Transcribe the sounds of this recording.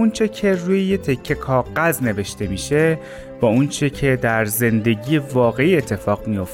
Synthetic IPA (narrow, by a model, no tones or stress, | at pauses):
unt͡ʃʰe̞cʰe̞ruːjejet̪ʰe̞cʰːe̞kʰɒːɣæzne̞ve̞ʃt̪e̞miːʃe | b̥ɒːunt͡ʃʰe̞cʰe̞d̪æɾze̞nd̪e̞ɟiːevɒːɣe̞iːet̪ʰːe̞fɒːɣmijo̞f